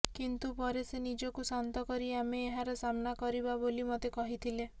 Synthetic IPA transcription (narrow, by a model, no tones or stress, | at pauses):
kint̪upɔɾesenid͡ʒɔkusant̪ɔkɔɾiameːɦaɾɔsamnakɔɾibabolimot̪ekɔɦit̪ʰile